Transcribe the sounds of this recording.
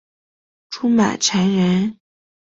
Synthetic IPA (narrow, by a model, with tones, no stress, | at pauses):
ʈ͡ʂʰu˥ma̰˨˩ɪʈ͡ʂʰa˧˥nɻə˧˥n